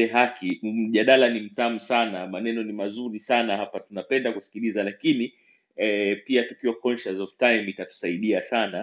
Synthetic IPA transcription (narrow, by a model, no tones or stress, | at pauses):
ɛɦakʰim̩ʄaɗalanim̩tamusanamanɛnɔnimazuɾisanahapatunapɛndakusi̥kilizalakini | ɛpiatukiwakɔnʃazɔvtajmitatu̥saiɗiasana